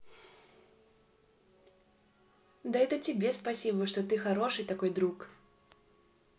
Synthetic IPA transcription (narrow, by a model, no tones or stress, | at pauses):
d̪ajɛt̪ɐt͡sʲibʲɛspasʲibɨʂt̪ɔt̪ɨxaɾɔʂɨjt̪akɔjd̪ɾuk